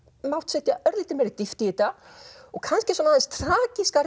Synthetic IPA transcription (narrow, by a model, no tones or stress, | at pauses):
mawht̪sɛt̪jaʔœɾðiht̪ɪmɛɾɪt̪ɪft̪ɪiːt̪a | ɔɣkʰanscɪswɔnaðɛnst̪ʰɾaːciskaɾ